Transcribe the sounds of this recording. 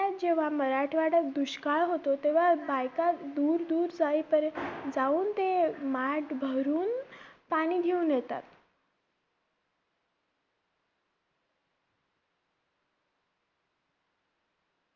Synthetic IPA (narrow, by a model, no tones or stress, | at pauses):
at̪̚d͡ʑeʋ̤aməɾaʈʰʋaɽəkd̪uɕkaɭɦot̪ot̪eʋ̤abajkad̪uːɾd̪uːɾd͡zaipəɾd͡zauːnt̪emaʈbʱəɾuːnpaɽ̃iːd̪ʱeuːnjɛt̪a̰t̪